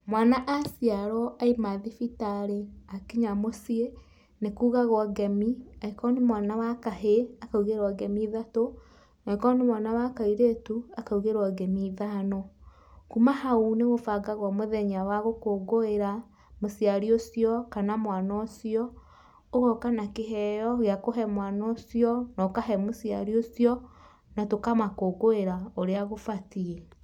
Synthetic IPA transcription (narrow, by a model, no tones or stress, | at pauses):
mwaːnaʔasiaɾɔʔaimaðifitaɾeakiɲamosie | nekuːɣaɣwɔɡɛmiaikɔnemwanawakaɦeakauɣeɾaɡɛmiðato | naikɔnemwanawakaiɾetuakauɣeɾwaɡɛmiðanɔ | kumahauneɣofaɡaɣwamoðɛɲawaɣokoɡoeɾa | mosiaɾiosjɔkanamwanɔsijɔ | oɣɔkanakeɦɛjɔɣeakoɦɛmwanɔsiɔnɔkaɦɛmosjaɾiosjɔ | natokamakoɡoeɾaoɾeaɣofatiɛ